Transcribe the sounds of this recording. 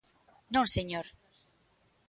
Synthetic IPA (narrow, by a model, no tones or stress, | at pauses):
nõseɲoɾ